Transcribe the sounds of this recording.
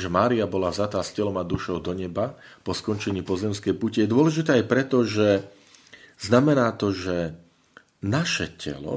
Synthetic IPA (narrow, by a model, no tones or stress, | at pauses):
ʒɛmaːɾiabɔlavzat̪aːscɛlɔmad̪uʃɔʊd̪ɔɲɛbapɔskɔnt͡ʃɛɲiːpɔzɛmskɛjpucijɛd̪ʊɔlɛʒit̪ɛːajpɾɛt̪ɔʒɛ | z̥namɛnaːt̪ɔʒɛ | naʃɛ̰cʰɛ̰lɔ̰